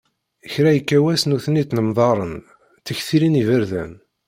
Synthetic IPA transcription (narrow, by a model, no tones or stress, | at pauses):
əçɾæjəkːæwæsnuθnit̪nəmðˤɑɾˤən | θəçθiɾinivəɾðæ̰n